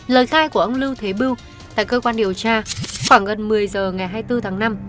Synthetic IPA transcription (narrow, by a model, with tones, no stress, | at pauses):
ləː˨˩jxaː˧jku˧˩əʔə˧wŋ͡mlɨ˧wt̪ʰe˨˦ɓi˧w | t̪a̰ː˧˨jkəː˧kwaː˧nɗi˨˩əwt͡ɕaː˧xwaː˧˩ŋɣə˨˩nmɨ˨˩əjzəː˨˩ŋa˨˩jɦaː˧jt̪ɨ˧t̪ʰaː˨˦ŋna˧m